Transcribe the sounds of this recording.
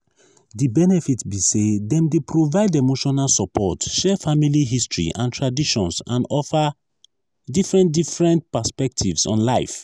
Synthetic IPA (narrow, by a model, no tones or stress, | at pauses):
dibɛnɛfitbisedɛ̃mdepɹovaɪdemoʃɔnalsɔpʰɔtʃɛfamiliɦistɹḭʔãntʰɹadiʃɔ̃nsãnɔfa | difɹɛ̃ntdifɹɛ̃ntpaspɛk̚tʰivsɔ̰̃nlaɪf